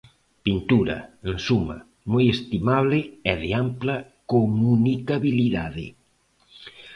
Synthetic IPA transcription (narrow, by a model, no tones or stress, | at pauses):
pint̪uɾɐ̰ensumɐ̰ | mojest̪imaβlɪɛðɪamplɐkomunikaβiliðaðɪ̰